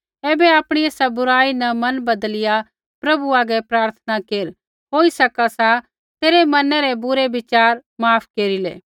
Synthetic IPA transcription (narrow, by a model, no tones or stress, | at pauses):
ɛːbeaːpɽ̃ieːsabʊɾaːinɐmɐnbɐd̪lɪja | pɾɐbuaːɡɛpɾaːɾt̪ʰənakeːɾ | ɦoːisɐkasa | t̪eːɾemɐnɛɾebʊɾebɪt͡ʃaːɾmaːpʰkeːɾilḛː